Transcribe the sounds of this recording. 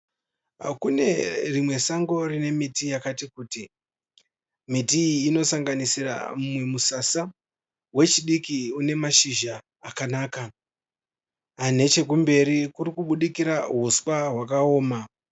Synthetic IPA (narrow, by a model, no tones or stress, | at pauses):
a̰kune̞rimwe̞saŋɡo̞rine̞mitijakatikuːti | mitiːno̞saŋɡanisira̰mumwe̞musasa | we̞t͡ʃiɗikiune̞maʃiʒaː | kanaːka | ane̞t͡ʃe̞k̬umbe̞ɾikuɾikuɓuɗikiɾaɦuswaɦwakao̞ːma